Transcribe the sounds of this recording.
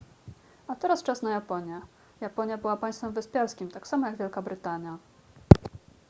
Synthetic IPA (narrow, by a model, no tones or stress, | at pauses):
at̪ɛɾast͡ʂasnajapɔɲjɛ | japɔɲjabɘwapaj̃st̪fɛmvɘspʲjaɾskʲimt̪aksamɔjaɡvʲjɛlkabɾɘt̪aɲja